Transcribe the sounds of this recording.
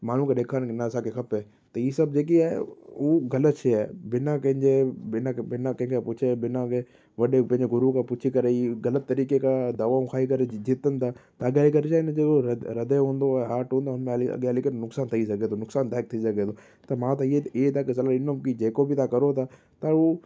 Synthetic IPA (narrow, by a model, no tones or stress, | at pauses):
maːn̤ũkaɗeːkʰaːnkɪnasakexɐpɛː | t̪ɐiːsɐb̚d͡ʑeːk̬iaːɦḛuːɣɐlət̪ʃʰeaːbɪnãkɐ̃ɦɪ̃ɲd͡ʑebɪnãkbɪnakɐ̃ɦɪ̃kʰepʊt͡ʃʰebɪnãke | ʋɐɗepɐ̃ɦɪ̃ɲd͡ʑeɡʊɾukapʊt͡ʃʰikɐɾeiɡɐlət̪̚ːɐɾiːkekad̪aʋãũkʰaːikɐɾed͡ʑit̪ənt̪ʰat̪ɐɐɡaːlik̬ɐɾt͡ʃaːend͡ʒeːkoɾɾɐd̪eɦũːnd̪oɛɦaːʈɦũːnd̪oɦʊnmẽɐlɐ̰ɡeɐlikənnʊksaːnt̪ʰɐisɐɡet̪ʰonʊksaːnt̪aːɪk̚t̪ʰiisɐɡet̪ʰo | t̪ɐmãt̪aieet̪ʰakɪs̬ɐlaɪnõkid͡ʒeːkobʱit̪ʰakɐɾot̪ʰaː | t̪au